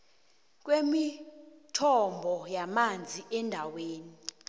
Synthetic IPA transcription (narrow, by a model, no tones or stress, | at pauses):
k̬ʼwemitʰɔmbʱɔjamand͡zʱiʔɛndʱaweːni